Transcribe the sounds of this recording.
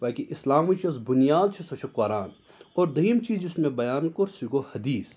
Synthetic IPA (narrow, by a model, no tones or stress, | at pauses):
ʋaːkiʔɪslaːmit͡ʃʰiɐsbʊnijaːd̪̚t͡ʃʰisɐʃʰɐkwaːɾaːn | oːɾd̪ɐɦiːmt͡ʃiːzd͡ʒɪsmẽbɐjaːnkoɾsiɡohɐd̪iːs